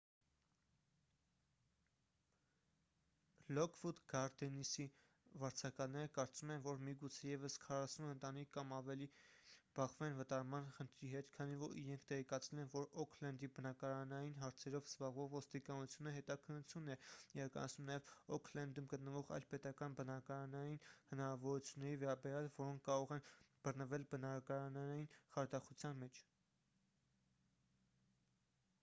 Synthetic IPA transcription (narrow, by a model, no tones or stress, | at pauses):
lɔkʰvud̪ɡɑɾd̪ɛnisi | vɑɾt͡sʰɑkɑlnɛɾəkɑɾt͡sumɛnvɔɾmiɡut͡sʰɛjɛvəskʰɑrɑsunənt̪ɑnikʰːɑmɑvɛlib̥ɑχvɛnvət̪ɑɾmɑnχənt̪ʰɾiɦɛt̪kʰɑnivɔɾḭɾɛŋkʰt̪ɛʁɛkɑt͡sʰɛlɛnvɔɾɔkʰlɛnd̪ibənɑkɑɾɑnɑjinɦɑɾt͡sʰɛɾɔvz̥bɑʁvɔvvɔst̪ikɑnut͡sʰjunəɦɛt̪ɑkʰənːut͡sʰjunːɛiɾɑkɑ̰nɑ̰sʰnumnɑjɛvɔkʰlɛnd̪umɡət̪nəvɔʁɑ̰jlpɛt̪ɑkɑnbənɑkɑɾɑnɑjinhənɑɾɑvɔɾut͡sʰjunːɛɾivɛɾɑbɛɾjɑlvɔɾɔŋkʰkːɑɾɔʁɛnb̥ərnəvɛlbənɑkɑɾɑnɑɑjinχɑɾd̪ɑχut͡sʰjɑnmɛt͡ʃʰ